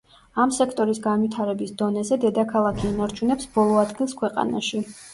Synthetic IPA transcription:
amsɛkʰt̪ʼɔɾisɡanvit̪ʰaɾɛbisd̪ɔnɛzɛd̪ɛd̪akʰalˠakʰiːnaɾt͡ʃʰunɛpsb̥ɔlˠɔad̪ɡilˠskʰwɛqʼa̰na̰ʃi

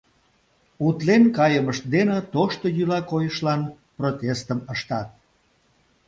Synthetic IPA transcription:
ut̪lenkɑjəməʃt̪̚d̪enət̪oʃt̪ojylɑkojəʃlɑn | prot̪ʲest̪əməʃt̪ɑt̪̚

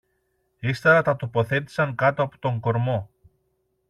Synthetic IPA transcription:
ist̪ɐɾɐt̪ɐt̪o̞po̞θe̞t̪i̥sɐŋkɐt̪oɐpo̥t̪o̞ŋɡo̞ɾmo̞

